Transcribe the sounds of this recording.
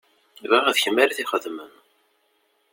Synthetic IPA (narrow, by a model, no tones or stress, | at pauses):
vaʁæðçəmːæɾiθiχəðmən